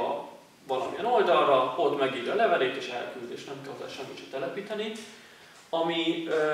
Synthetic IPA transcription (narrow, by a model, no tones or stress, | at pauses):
ɒ̰ | vɒlɒ̰miɛno̞ld̪ɒrrɒo̞t̪mɛɡiːɾjɒlɛvɛleːt̪eːʃɛ̰lkyld̪eːʃt̪nɛmkɛlod̪a̰lʃɛmːit̪ʃɛt̪ɛlɛpiːt̪ɛni | ɒmi